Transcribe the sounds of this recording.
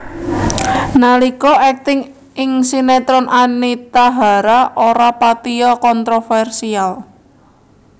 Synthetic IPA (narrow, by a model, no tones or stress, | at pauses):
nalikɔʔɛk̚t̪ɪŋ | ɪŋsinɛt̪ɾɔnʔanit̪aɦaɾaʔoɾapat̪iɔkɔnt̪ɾofɛrsial